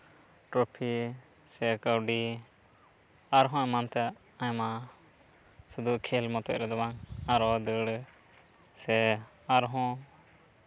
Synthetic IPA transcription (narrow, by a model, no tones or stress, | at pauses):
ʈɾopʰi | sɛkəwɖi | aɾɦɔ̃ɛ̃mant̪ɛ | ajma | sud̪ukʰɛlmɔt̪ɔʔɾɛd̪ɔbaŋaɾɔd̪əɽ | sɛ | aɾɦɔ̃